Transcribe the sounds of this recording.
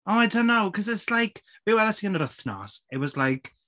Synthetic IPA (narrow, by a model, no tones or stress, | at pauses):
ɔmajtʰanawkʰəzəslajkʰ | vɪwɛðasiːənəɾəθnɔ̰sewvɔslajkʰ